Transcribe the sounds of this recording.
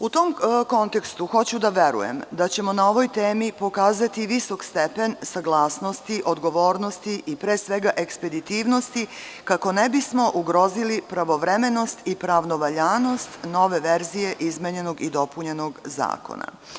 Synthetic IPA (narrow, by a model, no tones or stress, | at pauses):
ut̪omko̞nt̪e̞kst̪uxo̞t͡ɕud̪aʋe̞ɾṵjḛmd̪at͡ɕe̞mo̞nao̞ʋo̞jt̪eːmipo̞kaːzat̪iʋiso̞kst̪epe̞nsaɡlˠaːsnost̪iʔo̞d̪ɡo̞ʋo̞ːɾno̞st̪iʔipɾeːsʋe̞ɡaʔe̞kspe̞d̪it̪iːʋno̞st̪ikako̞nebismo̞ʔuɡɾo̞zilipɾaʋo̞ʋɾeme̞no̞st̪ipɾaʋno̞ʋaʎaːno̞st̪no̞ʋe̞ʋeɾzije̞ʔizmeɲe̞no̞ɡid̪o̞puɲe̞no̞ɡza̰ːko̰na̰